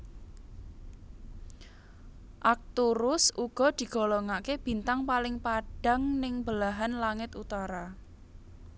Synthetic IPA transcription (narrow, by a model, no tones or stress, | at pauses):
ʔak̚t̪uɾʊsuɡ̥ɔ̤d̪̥i̤ɡ̥ɔ̤lɔŋakeb̥i̤nt̪aŋpalɪŋpaɖ̥a̤ŋnɪŋbəlaɦanlaŋɪt̪ut̪aɾa